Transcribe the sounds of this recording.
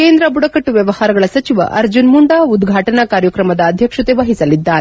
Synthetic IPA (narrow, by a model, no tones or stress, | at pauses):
keːnd̪ɾɐbuɽɐkɐʈːuʋjɐʋɐhaːɾɐɡɐɭɐsɐt͡ʃiʋɐ̰ʔɐɾd͡ʒunmuɳɖaːud̪ɡʱaːʈɐnɐkaːɾjɐkɾɐmɐd̪ɐːd̪ʱjɐkʂɐt̪eʋɐɦisɐlid̪ːaːɾe